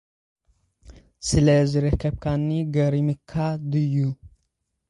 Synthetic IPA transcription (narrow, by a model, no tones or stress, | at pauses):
sɨlɐzɨɾɐkʰːəb̚kʰanːiɡɐɾimɨkʰːad̪ɨjːu